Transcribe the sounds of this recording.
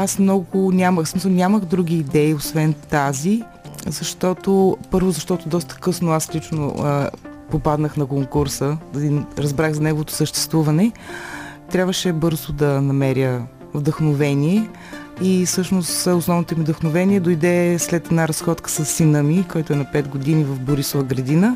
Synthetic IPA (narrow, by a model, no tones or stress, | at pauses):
asmnɔɡʊnʲaməxsmisəlˠnʲaməxd̪ɾuɡ̟iːd̪ɛiosvɛnt̪azi | zɐʃt̪ɔt̪opɤɾvʊzɐʃt̪ɔt̪ʊd̪ɔst̪ə̥kɤsnʊaslit͡ʃno̰əpopad̪nəxnɐkoŋkuɾsəiɾɐzbɾaɣzɐnɛɡovot̪ʊ̥səʃt̪ɛ̥st̪vuvɐnɛ | t̪ɾʲabvəʃɛbɤɾzʊd̪ɐnɐmɛɾʲjə | vd̪əxnovɛniɛ | isɤʃnosʊsnɔvnot̪oimivd̪əxnovɛniɛd̪ojd̪ɛslɛt̪ɛd̪naɾɐsxɔt̪kə̥sɐsːinəmikɔjt̪ʊɛnɐpɛt̪ɡod̪inivɐfboɾisovəɡɾɐd̪inə